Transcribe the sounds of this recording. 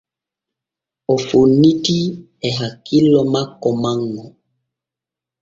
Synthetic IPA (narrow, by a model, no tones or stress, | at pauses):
ɔfoniti | ɛɦakilɔmakɔmaŋɔ